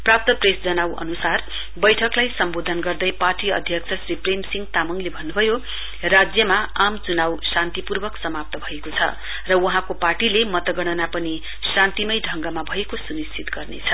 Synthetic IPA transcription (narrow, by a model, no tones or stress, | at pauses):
prap̚t̪ʌpresd͡zʌnawʔʌ̰nusar | bʌjʈʰʌklajsʌmbod̪ʱʌnɡʌrd̪ʌjparʈiʌ̰d̪ʱjʌk̚t͡sʰʌsripremsiŋɡt̪amʌŋlebʱʌnːubʱʌjo | rad͡zjʌmaamt͡sunawsant̪ipurbʌksʌmap̚t̪ʌbʱʌekot͡sʰʌ̰ | rʌwʌɦãkoparʈilemʌt̪ʌɡʌɽ̃ʌnapʌni | sãnt̪imʌjɖʱʌŋɡʌmabʱʌekosunist͡sit̪ɡʌrnḛt͡sʰʌ